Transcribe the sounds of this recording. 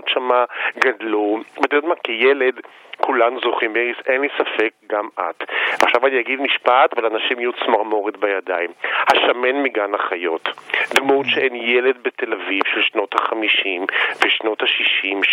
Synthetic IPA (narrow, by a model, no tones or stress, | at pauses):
tʃamaɡadlubet̪eotmakejeled | kulanuzoχimbeʁisenlisafek̚ɡama̰tvea̰χʃavaniaɡid̪miʃpat̪valanaʃimijut͡smaʁmo̞ʁitbajadaimhaʃame̞nmiɡanaχajo̞td̪mutʃeenjele̞d̪bete̞lavivʃelʃno̞thaχamiʃimveʃno̞thaʃiʃim